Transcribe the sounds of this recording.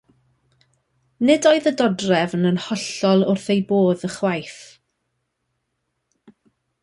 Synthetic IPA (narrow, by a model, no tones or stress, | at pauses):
nɪdoɨðədɔdrɛvənənhɔɬɔlˠʊrθejboːðəχwajθ